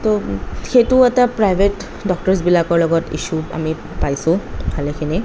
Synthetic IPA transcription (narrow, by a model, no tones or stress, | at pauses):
t̪oxeʈuɛt̪apɾajbʱeʈ | ɖɔk̚ʈɔsbilakɔɹlɔɡɔtḭʃua̰mi | pajsũkʰalekʰini